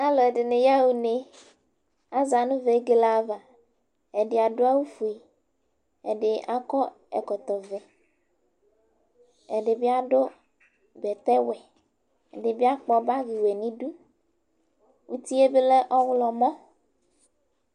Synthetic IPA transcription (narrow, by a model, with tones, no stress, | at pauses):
a˦lɔ˨e˨ɖe˨ne˨ja˦wu˨ne˨ | a˦za˨nũ˦ve˨˦ɡe˨la˨va˨ | e˨ɖe˨a˨ɖo˦a˦wu˦fu˨e˨ | ḛ˨ɖe˨ʔa˦kɔ˦ | ɛ̰˨kɔ˨t̪ɔ˨vɛ˨ | e˨ɖe˨bi˦a˦ɖo˦ | bɛ˨t̪ɛ˦wɛ˨ | e˨ɖe˨bi˦a˦k͡pɔ˦ba˦ɣi˨wɛ˨nĩ˦ɖu˦ | u˦t̪i˦e˦be˦le˦ʔɔ˦wlɔ˨mɔ̃˦